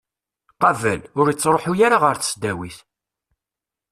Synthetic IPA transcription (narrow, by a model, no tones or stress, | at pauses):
qɑvə̰lʊɾjət͡sːɾˤoħujaɾaʁəɾθə̥sd̪æwiθ